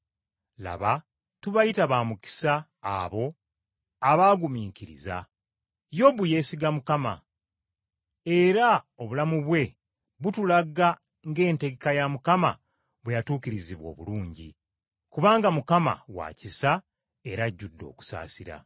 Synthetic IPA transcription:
la̰βa | tuβajitaβaːmuki̥sa̰ː | βo̞ | aβaːɡumiːŋkiɾḭza̰ | jo̞βuje̞ːsiɡamukama̰ | e̞ɾa | o̞βulamuβwe̞ | βutulaɡa | ŋɡe̞ːnte̞ɡekajamukama̰ | βwejatuːkiɾiziβwo̞̰ːβṵluːɲɟḭ | kuβaːŋɡamukama̰wa̰cisa | e̞ɾaɟːudːo̞̰ːku̥sa̰ːsiɾa̰

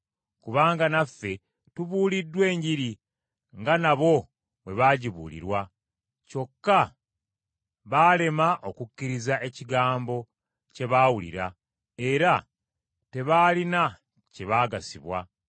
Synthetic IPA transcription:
kuβaːŋɡanafːe̞ | tuβuːlidːwe̞ːɲɟiɾi | ŋɡanaβo̞ | βwe̞βaːɟiβṵlḭɾwa | co̞kːa | βaːle̞maʔo̞kucːiɾizaʔe̞ciɡaːmbo̞ | ce̞βaːwulḭɾa | e̞ɾa | te̞βaːlina | ce̞βaːɡasiβwa̰

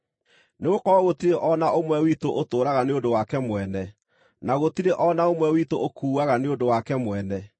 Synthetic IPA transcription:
neɣokɔɔɣotiɾeʔɔnaʔomwɛwitoʔotoːɾaɣaneodowakɛmwɛnɛ | naɣotiɾeʔɔnaomwɛwitoʔokuːaɣaneodowakɛmwɛnɛ

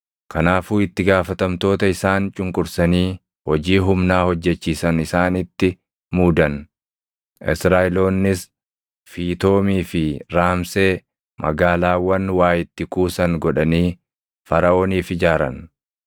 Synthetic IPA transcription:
kʰɐnaːfuːɪt̪ːɪɡaːfɐt̪ɐmt̪o̞ːt̪ɐɪsaːnt͡ʃʼʊŋkʼʊɾsɐniː | hɔd͡ʒiːɦʊmnaːhɔd͡ʒːɛt͡ʃːiːsɐnɪsaːnɪt̪ːɪ | muːd̪ɐn | ʔɪ̰sɾaːɪlo̞ːnːɪs | fiːt̪o̞ːmiːfɪɾaːmse̞ː | mɐ̰ɡaːlaːwɐnwaːjɪt̪ːɪkuːsɐŋɡɔᶑɐniː | fɐɾɐʔo̞ːniːfɪd͡ʒaːɾɐ̰n

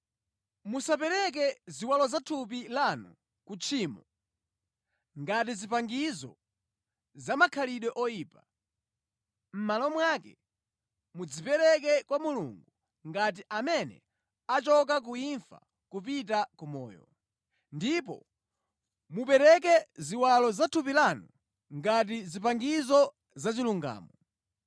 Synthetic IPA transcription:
musapɛɾɛk̬ɛziwalɔzatʰupilanṵ | kut͡ʃʰiːmɔ | ŋɡat̬izipaŋɡizɔ̰ | zamakʰaliɗwɛʔɔjiːpa | m̩malɔmwakɛ | mud͡zipɛɾɛk̬ɛkwamulṵŋɡu | ŋɡat̬iʔamɛnɛ̰ | at͡ʃɔk̬ak̬uiɱfa̰ | kupit̬akumɔ̰ːjɔ̰ | ndipɔ̰ | mupɛɾɛk̬ɛziwalɔzatʰupilanɔ | ŋɡat̬izipaŋɡizɔ | zat͡ʃiluŋɡa̰ːmɔ

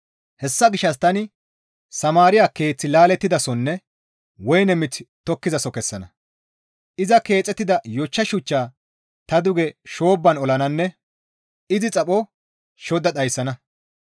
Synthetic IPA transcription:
hɛsːɐɡɪʃːɐs̬t̪ɐnɪ | sɐmaːɾɪjaːke̞ːt͡sːɪlaːlɛt̪ːɪd̪ɐsɔnːɛ | wɔjnɛmɪt͡sːt̪ɔkːɪzɐsɔkɛsːɐnɐ | ʔɪzɐke̞ːt͡sʼːɛt̪ːɪd̪ɐjɔt͡ʃːɐʃʊt͡ʃːaː | t̪ɐd̪ʊɡɛʃoːbːɐnɔlɐnɐnːɛ | ɪzɪt͡sʼɐpʼɔ | ʃɔd̪ɐɗ̪ɐjsːɐnɐ

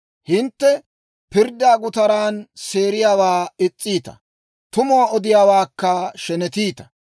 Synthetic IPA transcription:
hɪnt̪ːɛ | pɪɾd̪aːɡʊt̪ɐɾaːnse̞ːɾɪjaːwaːɪt͡sʼːiːt̪ɐ̥̰ | t̪ʊmʊaɔd̪ɪjaːwaːkːɐʃɛnɛt̪iːt̪ɐ̥

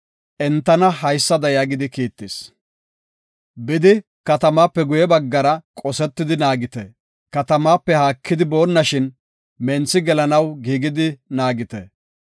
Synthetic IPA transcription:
ʔɛnt̪ːɐnɐɦɐjsːɐd̪ɐjaːɡɪd̪ɪkiːt̪ːɪs | bɪd̪ɪ | kɐt̪ɐmaːpːɛɡʊjɛbɐɡːɐɾɐkʼɔsɛt̪ːɪd̪ɪnaːɡɪt̪ɛ | kɐt̪ɐmaːpːɛhaːkːɪd̪ɪbo̞ːnːɐʃɪn | mɛnt͡sːɪɡɛlɐnɐwɡiːɡɪd̪ɪnaːɡɪt̪ɛ

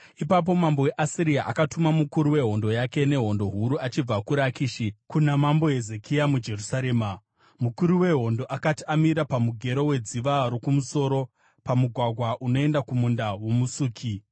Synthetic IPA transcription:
ipap̬o̞mambo̞we̞ʔasiɾiaʔa̰katumamukuɾuwe̞ɦo̞ndo̞jake̞ne̞ɦo̞ndo̞ɦuɾuat͡ʃib͡vakuɾakiʃikunamambo̞ɦe̞ze̞kʰijamud͡ʒe̞rusaɾe̞ːma | mukuɾuwe̞ɦo̞ndo̞ʔakatiamiɾapamuɡʱe̞ɾo̞we̞d͡ziʋaɾo̞kumuso̞ɾo̞ | pamuɡʱwaɡʱwaʔuno̞e̞ndakumundawomusuːkʰi

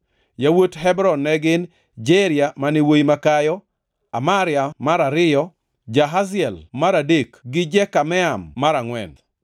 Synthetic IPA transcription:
jawotɦɛbɾɔnːɛɡɪn | d͡ʒeɾjamanɪwojimakajɔ | amaɾjamaɾaɾɪjɔ | d͡ʒaɦazɪɛlmaɾadekɡɪd͡ʒɛkamɛamːaɾaŋwɛ̰n

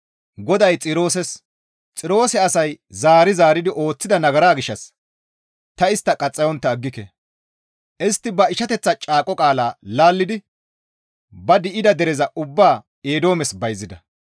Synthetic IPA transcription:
ɡɔd̪ɐjt͡sʼɪɾo̞ːsɛs | t͡sʼɪɾo̞ːsɛɐsɐjzaːɾɪzaːɾɪd̪ɪʔo̞ːt͡sːɪd̪ɐnɐɡɐɾaːɡɪʃːɐs | t̪ɐɪst̪ːɐkʼɐt͡sʼːɐjɔnt̪ːɐːɡːɪkɛ | ʔɪst̪ːɪbɐɪʃɐt̪ɛt͡sːɐt͡ʃʼaːkʼɔkʼaːlaːlaːlːɪd̪ɪ | bɐd̪ɪʔɪd̪ɐd̪ɛɾɛzɐʔʊbːaː | eːd̪o̞ːmɛsbɐjzːɪd̪ɐ

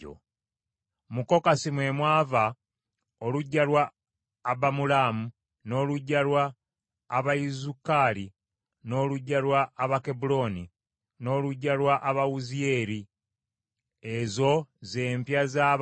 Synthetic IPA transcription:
o̰ | muko̞kasimwe̞mwaːva | oluɟːalwaː | bamulaːmu | no̞ːluɟːalwaː | βaizukaːli | no̞ːluɟːalwaːβakebulo̞ni | no̞ːluɟːalwaʔaβawuzie̞ɾi | ezo̞ze̞ːmpjaza

